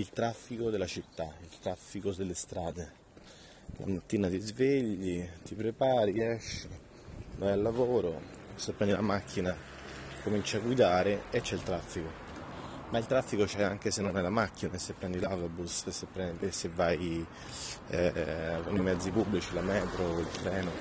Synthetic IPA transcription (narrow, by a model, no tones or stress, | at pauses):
ilt̪ɾafːikod̪elat͡ʃit̪ːailt̪ɾafːikod̪elːest̪ɾaːd̪e | lʔa̰mat̪ːiːnat̪izveʎːit̪ipɾepaːɾiɛʃːe | vajalːavoːɾosepːɾɛnd̪ilamakʰːina | komint͡ʃiaɡːwid̪aːɾeet͡ʃːɛilt̪ɾafːiko | mailt̪ɾafːikot͡ʃɛaŋk̟esenːonɛlamakːinaesːepːɾɛnd̪ilat̪obussepːɾɛnsevːaj | vonimɛd̪zːipubːlit͡ʃilamɛːt̪ɾoilt̪ɾɛːno